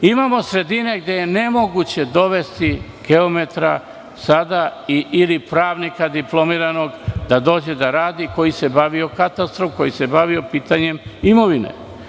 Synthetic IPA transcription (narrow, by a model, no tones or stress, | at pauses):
imamo̞sɾe̞d̪ine̞ɡd̪e̞je̞ne̞mo̞ɡut͡ɕe̞d̪o̞ʋe̞st̪i | ɡ̥e̞ome̞t̪ɾa̰ | sad̪aiʔilipɾaːʋnikad̪iplˠo̞miːɾano̞ɡd̪ad̪o̞ːd͡ʑe̞d̪aɾaːd̪iko̞jise̞baʋio̞kat̪ast̪ɾofko̞jise̞baʋio̞piːt̪aɲe̞mimo̞ʋinḛ